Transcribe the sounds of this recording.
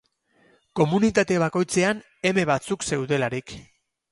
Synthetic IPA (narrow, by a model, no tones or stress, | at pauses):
ko̞munit̪at̪e̞β̞ako̞jt͡se̞an | e̞me̞βat͡sukse̞wðe̞laɾik